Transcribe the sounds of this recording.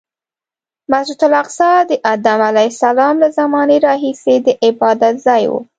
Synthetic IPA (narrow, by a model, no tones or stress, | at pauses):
mahd͡ʒut̪ʊlɑqsɑd̪əʔad̪amalajsalɑmlazamɑneɾɑɦised̪əʔɪbɑd̪at̪zɑjwṵ